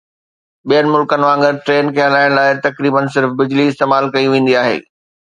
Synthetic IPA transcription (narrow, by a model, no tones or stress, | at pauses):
ɓijənɪ̆mʊlkənɪ̆ʋãːŋɡəʈɾeːnkʰeːɦɐlaːɪɽ̃laːɪt̪ɐkɾiːbəns̬ɪɾfbɪd͡ʑliɪst̪eːmaːlkɐiʋẽːn̆d̪iaːɦḛː